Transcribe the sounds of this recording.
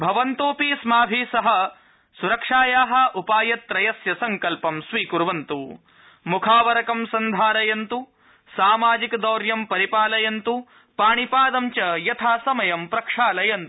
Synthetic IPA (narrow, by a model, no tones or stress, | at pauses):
bʱɐʋɐnt̪oːpismaːbʱisɐɦɐ̆ | suɾɐkʂaːjaːɦɐ̆ʔupaːjɐt̪ːɾɐjɐsjɐsɐŋkɐlpɐmsʋiːkuɾʋɐnt̪u | mukʰaːʋɐɾɐkɐmsɐnd̪ʱaːɾɐjɐnt̪u | saːmaːd͡ʒikd̪oːɾjɐmpɐɾipaːlɐjɐnt̪u | paːɳipaːd̪ɐmt͡ʃɐjɐt̪ʰaːsɐmɐjɐmpɾɐkʂaːlɐjɐnt̪u̥